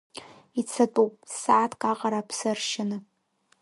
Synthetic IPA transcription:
it͡sʰatʼupʼsaːtʰkʼaqʼaɾapʰsarʃɪnɨ

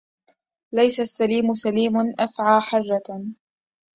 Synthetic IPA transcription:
lajsasːaliːmʊsaliːmʊnʔafʕaːħɑrˤːɑ

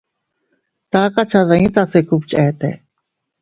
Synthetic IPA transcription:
t̪aːkat͡ʃʰazaĩt̪aːseːkup̚t͡ʃɛːt̪ɛ̰ː

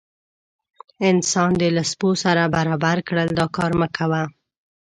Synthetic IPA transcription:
ɪnsɑnd̪əlasposaɾabaɾɑbaɾkɽəld̪ɑkɑɾməkʰawa

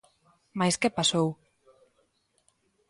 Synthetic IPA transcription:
majskepasow

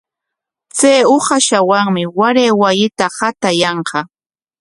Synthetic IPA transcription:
t͡sejoχaʃawaŋmɪwaɾeːwajɪt̪ahat̪ajɑɴqɑ

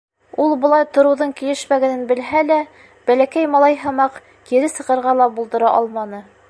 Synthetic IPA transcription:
ulˠbŏlˠɑjt̪ŏɾɤ̆wðɤɴkilɘ̆ʃmæɡænɘnbɘ̆lɦælæ | b̥ælækæjmɑlˠɑjɦɤ̆mɑq | kiɾɘsɤ̆qɤ̆ɾʁɑlˠɑbulˠd̪ɤ̆ɾɑʔɑlˠmɑnɤ

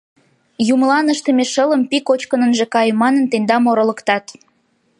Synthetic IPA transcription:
jumlɑnəʃt̪əmeʃələ̆mpikot͡ɕkənənʒĕkɑjmɑnənt̪end̪ɑmoɾŏlə̆kt̪ɑt̪

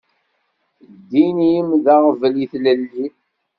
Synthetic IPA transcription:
d̪ːiniəmðaʁvəliθləlːi

